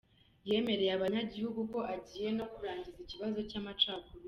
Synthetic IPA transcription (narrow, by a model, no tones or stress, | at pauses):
je̞ːme̞ɾe̞jaβaɲaɟihuɡuko̞ʔaɟiːje̞no̞kuɾaːɲɟiziciβazo̞camat͡ʃaːkuɾo